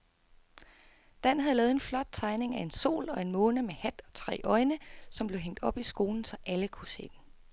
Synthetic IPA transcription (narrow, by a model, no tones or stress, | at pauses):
d̥æn̰hæð̩ˠlɛːð̩ˠenflɒ̽d̥̚t͡sʰɑ̈ɪne̝ŋæe̝nso̝̰ːlɒ̽e̝nmɔ̽ːnəmehæd̥ɒ̽t͡sʰʁɛ̰ːʔɒ̽ɪnəsɒ̽mb̥le̝ʊɦeŋ̰d̥ɒ̽b̥isɡ̥o̝ːln̩sɒ̽ʔæləkʰuse̝̰ːd̥en